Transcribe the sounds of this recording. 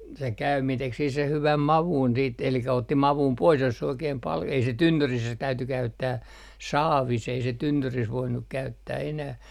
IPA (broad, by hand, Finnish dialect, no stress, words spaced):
se kæymiː tek sih seh hyʋæm mɑʋun siːt elikæ otːi mɑʋum pois jos se oikeːm pɑl ei se tynːyris se tæyty kæytːæː sɑːʋis ei se tynːyris ʋoinːuk kæytːæː enæh